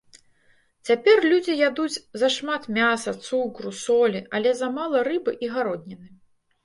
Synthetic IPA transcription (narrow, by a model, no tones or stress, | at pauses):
t͡sʲapʲɛrlʲud͡zʲijad̪ud͡zʲzɐʂmat̪mʲasɐt̪sukɾusɔlʲiʔɐlʲɛzɐmalˠɐrɨbɨʔiɣaɾɔd̪ʲnʲɛnɨ